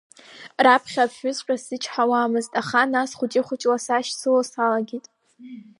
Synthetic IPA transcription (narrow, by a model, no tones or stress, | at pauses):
rapʰχʲapħᶣʊzqʲʷᶣʼasɨt͡ʃʰʼħawaːmɨztʼaχanasχʷʊt͡ʃʼɪχʷʊt͡ʃʼlasaʃsɨlasalaɡʲitʼ